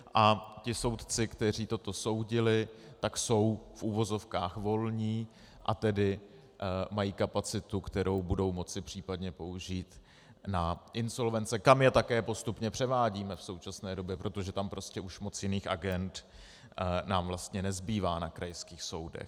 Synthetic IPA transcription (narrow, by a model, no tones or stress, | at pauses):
ʔacɪso̞wt̪t͡sɪkt̪ɛr̝iːt̪o̞t̪o̞so̞wɟɪlɪt̪akso̞wfʔuːvo̞zo̞fkaːxvo̞lɲiː | ʔat̪ɛdɪ | majiːkapat͡sɪt̪ukt̪ɛɾo̞wbudo̞wmo̞t͡sɪpr̝̥iːpadɲɛpo̞uʒiːt̪ | naʔɪnso̞lvɛnt͡sɛkamjɛt̪akɛːpo̞st̪upɲɛpr̝̥ɛvaːɟiːmɛfso̞wt͡ʃasnɛːdo̞bjɛpɾo̞t̪o̞ʒɛt̪ampɾo̞scɛʔuʃmo̞t͡sjɪniːxʔaɡɛnt̪ | naːmvlast̪ɲɛnɛzbiːvaːnakɾajskiːxso̞wdɛ̰x